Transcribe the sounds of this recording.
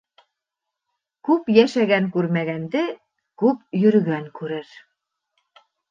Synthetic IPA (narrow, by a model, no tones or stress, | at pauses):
kʉpjæʃæɡæŋkʉɾmæɡænd̪ɘ | kʉp̚jɵ̆ɾ̆ɡæŋkʉɾɘɾ